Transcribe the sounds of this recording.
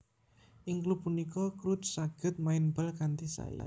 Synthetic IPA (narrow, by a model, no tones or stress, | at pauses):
ʔɪŋklupunikɔkɾut̪̚saɡ̥ə̤t̪̚maɪnbəlkant̪isa̰ja̰